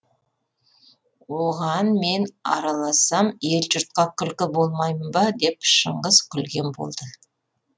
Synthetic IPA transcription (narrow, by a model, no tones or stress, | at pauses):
woʁɑnme̞nɑ̰ɾɑlˠɑsɑmje̞lʒʊɾt̪̚qɑkʲʰʏlkʲɪbo̞lˠmɑjmbɑd̪e̞pʃəɴʁəzkʲʰʏlɡʲe̞nbo̰lˠd̪̥ə